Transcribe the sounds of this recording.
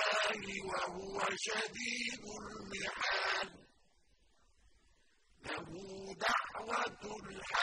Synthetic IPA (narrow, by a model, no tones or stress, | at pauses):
aːlɪwahʊwaʃad̪iːd̪ʊlmɪħaːl | lahud̪aʕwat̪lħa